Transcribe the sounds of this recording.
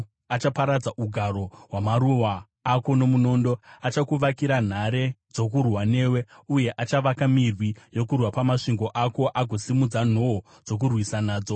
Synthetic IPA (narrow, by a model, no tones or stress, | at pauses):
at͡ʃapaɾad͡zaʔuɡʱaɾo̞ɦwamaɾuwaː | ko̞no̞muno̞ːndo̞at͡ʃakuʋakiɾan̤aɾe̞d͡zo̞k̬urwane̞we̞uje̞ʔat͡ʃaʋakamirwijo̞kurwapamaʂiŋɡo̞ʔako̞ʔaɡʱo̞simud͡zan̤o | d͡zo̞k̬urwisanaːd͡zo